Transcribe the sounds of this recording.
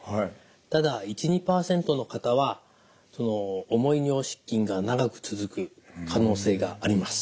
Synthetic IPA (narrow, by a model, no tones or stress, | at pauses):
h | t̪ad̪ait͡ɕiɲ̟ipaːsẽ̞nt̪o̞no̞kat̪aβa | so̞no̞ːmo̞iɲʲio̞ːɕi̥kʲːĩŋɡanaɡakɯ̟̥t͡sɨzɨkɯ̟kʰano̞ːse̞ːɡa̰ːɾʲimasɨ̥